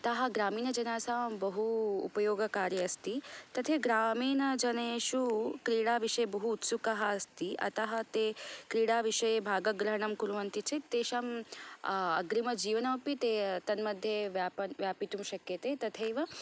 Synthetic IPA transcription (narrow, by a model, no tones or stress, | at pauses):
ɐt̪ɐɦɐ̆ɡɾaːmiːnɐd͡ʒɐnaːsaːbɐɦṵːpɐjoːɡɐkaːɾjɐːst̪it̪ɐt̪ʰeɡɾaːmiːnɐd͡ʒɐneʃukɾiːɽaːʋiʂɐjebɐɦuːt̪sukɐɦɐːst̪iʔɐ̰t̪ɐɦɐ̆t̪eːkɾiːɽaːʋiʂɐjebʱaːɡɐɡɾɐɦɐɳ̃ɐmkuɾuʋɐnt̪it͡ʃʰet̪eːʃɐm | ɐ̰ɡɾimɐd͡ʒiːʋɐnɐpit̪et̪ɐnmɐd̪ʱjeʋjaːpɐnʋjaːpit̪umʃɐkjɐt̪eːt̪ɐt̪ʰeːʋɐ